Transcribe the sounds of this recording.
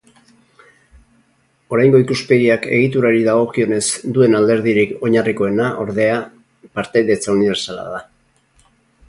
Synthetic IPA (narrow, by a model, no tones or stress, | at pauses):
o̞ɾajŋɡo̞ikuspe̞ɣiake̞̰ɣ̞it̪̬uɾaɾiðaɣ̞o̞kio̞ne̞zd̪ue̞nald̪e̞ɾðiɾiko̞ɲariko̞e̞naʔo̞ɾðe̞a | paɾt̪eðe̞t͡sauniβe̞ɾsala̰ða